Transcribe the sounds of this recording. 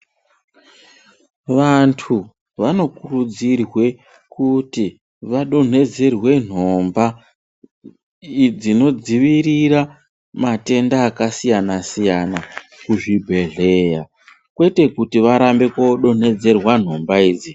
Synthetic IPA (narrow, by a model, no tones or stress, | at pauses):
ʋantʰu | ʋano̞kurud͡zirwe̞ | kuti | ʋaɗo̞n̤e̞d͡ze̞rwe̞n̤o̞mba | d͡zino̞d͡ziʋiriɾa | mate̞ndaːkasijanasijanakuʐibʱe̞ɮe̞ja | kwe̞te̞kutiʋaɾambe̞koɗo̞n̤e̞d͡ze̞rwan̤o̞mbaiːd͡zi